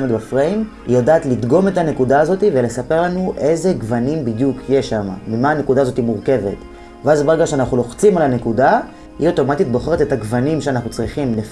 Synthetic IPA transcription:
med̪bafʁeim | ḭjodaːt̪lid̪ɡo̞me̞thane̞kudaːzo̞t̪ive̞le̞sape̞ʁlanuʔe̞ze̞ɡvanimbid̪jukjeʃama̰mimaːne̞kud̪aːzo̞timuʁke̞ve̞̰t | veazbeʁe̞ɡaʃeanaχulo̞χt͡simalane̞kuda | hio̞to̞mat̪itbo̞χ̞etetaɡvanimʃeanaχnut͡sʁiχimle

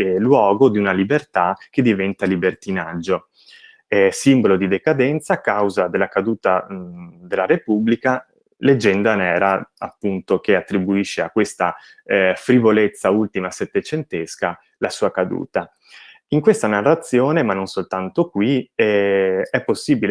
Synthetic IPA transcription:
lwɔːɡod̪iunalibert̪ak̟ed̪ːivɛnt̪alibert̪inad͡ʒːo | simbolod̪id̪ekad̪ɛnt̪saːkːawzad̪elːakad̪uːt̪a | d̪elːaɾepubːlika | led͡ʒːɛnd̪anɛːɾaapːunt̪okeat̪ːɾibuiʃːeakːwest̪a | fɾivolet̪sːault̪imaset̪ːet͡ʃent̪eska | lasuːakad̪ṵːt̪a | iŋkwest̪anarːat̪sːjoːnemanːonsolt̪ant̪okwiɛɛpːosːiːbil

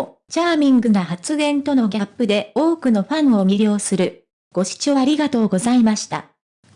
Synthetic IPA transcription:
t͡ɕaːmʲĩŋɡɯ̟naɦat͡sɨɡẽ̞nt̪o̞no̞ɡʲapːɯ̟d̪e̞o̞ːkɯ̟no̞ɸãɰ̃o̞mʲiɾʲo̞ːsɨɾɯ̟ | ɡ̥o̞ɕi̥t͡ɕo̞ːaɾʲiɡat̪o̞ːɡo̞zaimaɕi̥t̪a̰

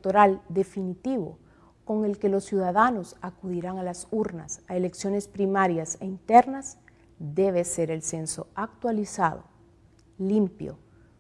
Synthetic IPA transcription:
t̪oɾald̪e̞finit̪iβo̞̰ | ko̞ŋe̞lke̞lo̞sːjuðaðano̞sakuðiɾaŋalasuɾna̰saele̞ksjo̞ne̞spɾimaɾjaseint̪e̞ɾnaz | d̪e̞β̞ese̞ɾe̞lse̞nso̞̰ak̚t̪walisa̰ðo̰ | limpjo̰

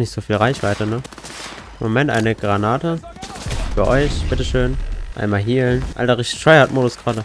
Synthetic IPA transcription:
nɪçtz̥oːfiːlʁaɪçv̥aɪtənə | ɪmomɛntʔa̰ɪnəɡ̥ʁanaːtə | fyːɐʔɔʏçb̥ɪtəʃøːnʔa̰ɪnmaːlɦiːlnʔa̰ldaʁɪçtɪ̥ʃɔɪhatmoːdʊsɡ̥ʁaːdə

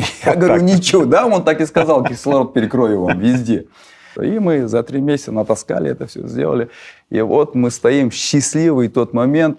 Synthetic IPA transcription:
jaɡəvəɾʲunʲɪt͡ɕɪod̪ao̞nt̪akɪskɐzɑlˠɛkʲɪxslˠɐvapʲɪɾʲɪkɾovʲɪvamvʲɪzʲdʲḛ | imɨzɐt̪ɾʲimʲesʲɪ̥t̪sənət̪ɐska̰lʲɪ̰ɛt̪əfsʲɵ̰zʲdʲelˠə̰lʲɪ | ḭvo̞t̪mɨst̪ɐimɕːɪsʲlʲivɨjt̪o̞t̪mɐmʲe̞nt̪̚

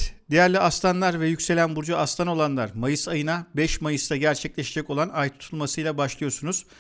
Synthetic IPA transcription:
d̪ijæɾlʲiast̪ʰanlˠaɾvɛjycʲse̞lʲænbuɾd͡ʒaast̪ʰano̞lˠanlˠaɾmajɯsajɯnabɛʃmajɯst̪ʰaɟæɾt͡ʃʰɛclʲeʃed͡ʒɛko̞lˠanajt̪ʰu̥t̪ʰulˠmasɯjlˠabaʃlˠɯjoɾsunuz̥

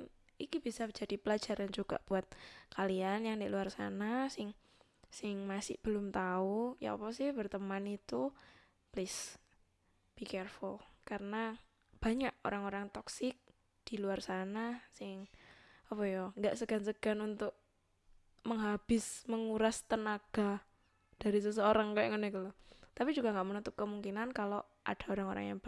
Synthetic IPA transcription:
ikib̥isad͡ʒ̥a̤d̥ipəlad͡ʒa̤ɾand͡ʒuɡ̥a̰ʔb̥uat̪̚kʰalianjaŋdɪʔluarsa̰nasɪŋ | sɪŋmasɪ̰hb̥əlʊmt̪auja̰ɔ̰pɔsɪhbərt̪əmanit̪u | plɪs | b̥ikɛrfulkarəna | b̥a̤ɲaʔo̰ɾaŋoɾaŋt̪ɔksɪk̚ | d̥i̤luarsanasɪŋ | apɔjɔŋɡaʔsəɡ̥a̤nsəɡ̥a̤nunt̪ʊʔ̚ | məŋɦab̥ɪsməŋuɾast̪ənaɡ̥a | d̥aɾisəs̬əoɾaŋkajŋənɛkulɔt̪apid͡ʒuɡaŋɡaʔmənut̪ʊp̚kəmuŋkinankalo | ʔa̰d̥a̤oɾaŋoɾa̰ŋja̰ŋb

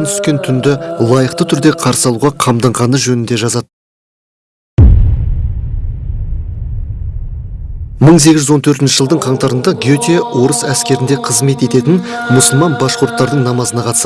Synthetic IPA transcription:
nt̪ʰʏ̥skʲe̞nt̪ʰʏnd̪ɪlˠɑjəqt̪ət̪ʰʏɾd̪e̞qʰɑɾsəɑlˠuʁɑqʰɑmd̪ɑɴʁɑnəʒɵnɪnd̪e̞ʒɑzɑd̪̥̚ | məɴs̬e̞ɡʲɪzʒʏzo̞nt̪ʰɵɾt̪ɪnʃɪʒəlˠd̪əɴqʰɑɴt̪ɑɾənd̪ɑɡʲiot̪ʲiwo̞ɾəsæskʲe̞ɾɪnd̪e̞qʰəzme̞t̪e̞t̪e̞t̪ɪn | mʊsəlˠmɑnbɑʃqʊɾt̪ːɑɾd̪əɴnɑmɑzənɑqʰɑt̪ə̥s

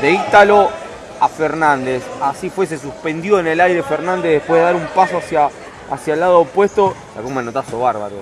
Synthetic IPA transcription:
d̪eit̪alo | afeɾnãnd̪esasifwe̞s̬e̞s̬uspend̪jo̞enelajɾe̞feɾnãnd̪eðehpwe̞ɦðeaɾumpasoasjaː | sjaelːaðoːpwe̞st̪o̞la̰ɣumanot̪asoβaɾβa̰ɾo

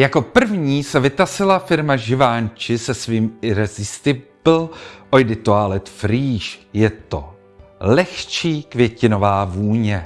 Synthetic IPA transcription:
jako̞pr̩vɲiːsɛvɪt̪asɪlafɪɾmaʒɪvaːɲt͡ʃɪsɛsviːmɪɾɛzɪst̪ɪbl̩ʔojdɪt̪ualɪt̪fɾiːʃjɛt̪o̞̰ | lɛxt͡ʃiːkvjɛcɪno̞vaːvuːɲɛ

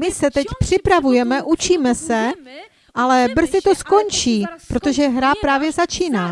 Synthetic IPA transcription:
mɪsɛt̪ɛcpr̝̥ɪpɾavujɛmɛʔut͡ʃiːmɛsɛ | ʔalɛbr̩zɪt̪o̞sko̞nt͡ʃiːpɾo̞t̪o̞ʒɛɦɾapɾaːvjɛzat͡ʃiːnaː

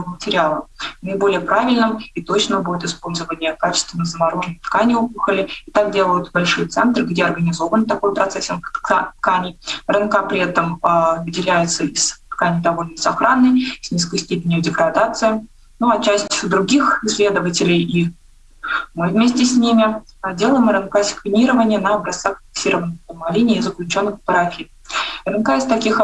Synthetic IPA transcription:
vəmətʲɪɾʲɪalˠənəɪbo̞lʲɪjəpɾavʲɪlʲnɨmit̪o̞t͡ɕnəbudʲɪt̪ɪspo̞lʲzəvənʲɪjəkat͡ɕɪ̥st̪vʲɪnːəzəmɐɾoʐnəjt̪kanʲɪupɨxəlʲɪɪt̪ak̚dʲe̞lˠəjʊt̪bɐlʲʂɨjt̪sɛnt̪rɡdʲeɐrɡənʲɪzo̞vənt̪ɐkojpɾɐt̪sɛsʲəmt̪t̪kanʲɪjrənkapɾʲɪɛt̪əməvɨdʲɪlʲæjɪt̪səɪst̪kanʲɪjd̪ɐvo̞lʲnəsɐxɾanːəjsʲnʲis̬kəjsʲtʲepʲɪnʲjʊdʲɪɡɾɐd̪at̪sɨjə | nuɐt͡ɕæsʲtʲd̪ɾʊɡʲixɪsʲlʲe̞d̪əvətʲɪlʲɪji | mɨvʲmʲesʲtʲɪsʲnʲimʲɪ | dʲe̞lˠəjɪmɾɨnkasʲɪ̥kvʲɪnʲiɾəvənʲɪjənəɐbɾɐsaxfʲɪ̥ksʲiɾəvənːəxt̪əmalʲinʲɪːzəklʲʉt͡ɕo̞nːɨxpɐɾafʲi | ɾɨnkaɪst̪ɐkʲix

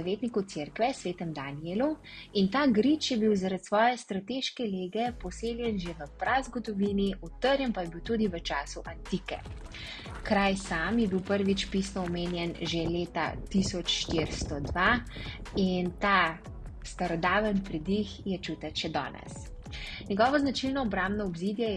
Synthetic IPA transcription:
aʋeːt̪nikut̪seːɾkʋɛsʋeːt̪ɛmd̪anielu | int̪aːɡɾit͡ʃjɛbiwzaɾat̪sʋɔːjɛst̪ɾat̪eːʃkɛleːɡɛpɔseːljɛnʒeʋəpɾazɡɔd̪ɔʋiːniut̪əɾjɛmpajɛbiwt̪uːd̪iʋət͡ʃaːsuʔant̪ikɛ̰ | kɾajsaːmjɛbiwpəɾʋit͡ʃpisnɔɔmeːnjɛnʒeleːt̪a̰t̪isɔt͡ʃʃt̪eɾst̪ɔd̪ʋa | int̪a | st̪aɾɔd̪aːʋənpɾid̪ixjɛt͡ʃuːt̪ɛʃɛd̪ɔ̰ːnɛ̰s | nʲɛɡɔːʋɔznat͡ʃilnɔɔbɾambnɔɔbziːd̪jɛjɛ

